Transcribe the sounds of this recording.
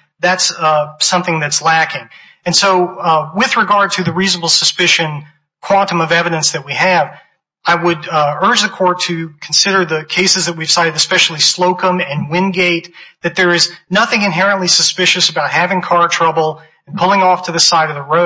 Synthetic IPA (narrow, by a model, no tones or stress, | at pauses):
ðætssʌ̃mθɪ̃ŋðɨtslækɪ̃ŋ | ɨ̃nsoʊwɪðɹɨɡɑɹd̚tʰɨðɨɹiznəbl̩ˠsəspɪʃɨ̃n | kʰw̥ɑ̃ntɨ̃mʌvɛvɨɾɨ̃nsðɨt̚wiɨv | aɪwəɾɜ˞d͡ʒðɨkʰɔɹtʰɨkʰn̩sɪɾə˞ðɨkʰeɪsɨzðɨt̚wiv̥saɪɾɨɾɨspɛʃl̩ˠisloʊkə̃mɨ̃nwɪ̃nɡeɪt̪̚ðɨt̪̚ðə˞ɨznʌθɪ̃ŋɨ̃nɦɛɹɨ̃nʔlisɨspɪʃɨsɨbaʊt̚hævɪ̃ŋkʰɑɹtʰɹ̥ʌbl̩̃ˠ | n̩pʰʊlˠɪ̃ŋɔftʰɨðɨsaɪɾʌvðəɹoʊ